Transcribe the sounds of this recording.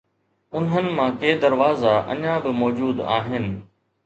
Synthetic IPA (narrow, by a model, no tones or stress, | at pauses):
ʊnɦənɪ̆mãːkeːd̪ɐɾʋaːzaʔɐ̰ɲãbɪmɔːd͡ʑuːd̪a̰ːɦɪnɪ̆